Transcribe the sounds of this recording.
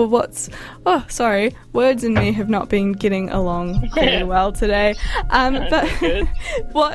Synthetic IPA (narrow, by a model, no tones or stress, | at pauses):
wʌts | ʌsɑɹi | wɜ˞dzɨ̃nmiɨvnə̰ʔ̚b̥ɨ̃nɡɛɾɪ̃ŋə̰lɔ̃ŋkʰɪwɛlˠtʰɨdeɪʔʌ̃mb̥ʌt̚ | wʌt